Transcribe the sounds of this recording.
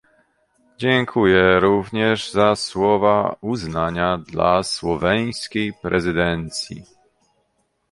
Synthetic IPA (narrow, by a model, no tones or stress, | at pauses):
d͡ʑɛŋkʰujɛɾuvɲɛʐzaswɔvauznaɲad̪la̰swɔvɛj̃skʲejpɾʔɛzɘd̪ɛnt̪sʲjḭ